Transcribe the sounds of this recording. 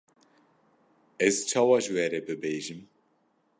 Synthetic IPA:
ɛzt͡ʃʰaːwɑʒwɛːɾɛbɨbeːʒim

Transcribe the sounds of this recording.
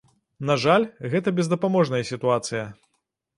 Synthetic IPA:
naʐalʲɣɛt̪ɐbʲɛzd̪ɐpamɔʐnɐjɐsʲit̪uat̪sɨjɐ

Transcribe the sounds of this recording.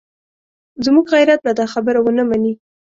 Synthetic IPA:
zmuɡɣajɾat̪lad̪ɑxabəɾawənamani

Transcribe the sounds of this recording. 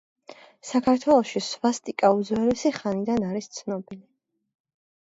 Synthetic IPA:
sakʰaɾt̪ʰwɛlˠɔʃisvast̪ʼikʼaud̪zwɛɾɛsiχanid̪anaɾist̪sʰnɔbili

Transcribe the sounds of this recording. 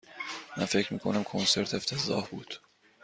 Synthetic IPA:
mænfe̞cʰɾmḭːkʰonæmkʰonse̞ɾt̪ʰe̞ft̪ʰezɒ̰ːhbuːd̪̥

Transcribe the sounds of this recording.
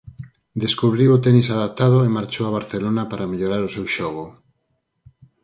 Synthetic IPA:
d̪eskuβɾiwot̪enisaðap̚t̪að̞ʊemaɾt͡ʃoaβ̞aɾθelonapaɾameʎoɾaɾosewʃɔɣ̞o

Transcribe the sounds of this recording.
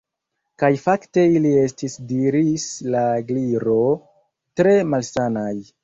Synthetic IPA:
kajfakte̞ilie̞stisdiɾislaɡliɾo̞ | tɾe̞malsanaj

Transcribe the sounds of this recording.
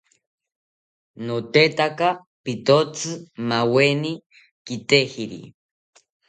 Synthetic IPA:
not̪et̪aka | pit̪ot͡sʰɨmaweni | kit̪ehiɾḭ

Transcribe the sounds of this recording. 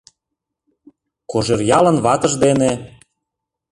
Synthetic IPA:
koʒerjɑlə̆nβɑt̪ə̆ʒd̪ene

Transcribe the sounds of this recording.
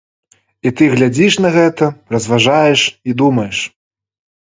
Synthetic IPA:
it̪ɨɣlʲad͡zʲiʂnɐɣɛt̪ɐrɐzvaʐajɛʂid̪umɐjɛʂ

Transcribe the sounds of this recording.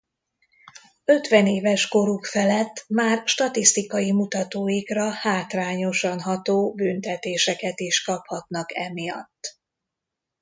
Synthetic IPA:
ø̞t̪ʋɛneːvɛʃko̞ɾukfɛlɛt̪ːmaːrʃt̪ɒt̪ist̪ikɒjimut̪ɒt̪oːjikrɒhaːt̪raːɲo̞ʃɒnɦɒt̪oːbynt̪ɛt̪eːʃɛkɛt̪iʃkɒphɒt̪nɒkɛmijɒ̰t̪ː

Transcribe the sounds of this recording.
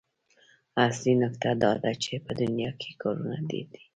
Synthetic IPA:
aslinʊkt̪ad̪ɑd̪at͡ʃepəd̪ʊnjɑkʰe̥kʰɑɾunad̪ḛd̪i̥

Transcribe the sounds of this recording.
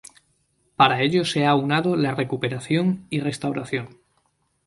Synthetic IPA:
paɾae̞ʎo̞se̞aunað̞olare̞kupe̞ɾaθjo̞ŋire̞st̪awɾaθjo̞ŋ

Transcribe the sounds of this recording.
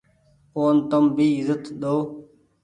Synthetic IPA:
koːnt̪əmbiːɪzət̪ɗ̪oː

